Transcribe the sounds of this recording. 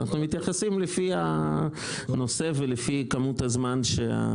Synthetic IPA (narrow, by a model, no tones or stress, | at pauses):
naχnumit̪jaχasimlefia | no̞se̞velefikamut̪hazmanʃea̰